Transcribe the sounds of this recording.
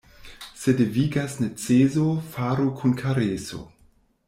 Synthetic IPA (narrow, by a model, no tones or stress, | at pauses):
sedeviɡasnet͡sezofaːɾukʰunkʰaɾeso̰